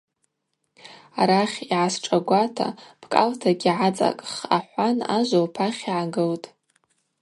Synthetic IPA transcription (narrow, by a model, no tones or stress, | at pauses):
aɾaχʲiʕasʈ͡ʂʼaɡʷatʰa̰b̥ʰkʼa̰ltʰaɡʲiʕat͡sʼa̰kʼχaħʷanaʒʷowpʰaχʲiʕaɡɨltʼ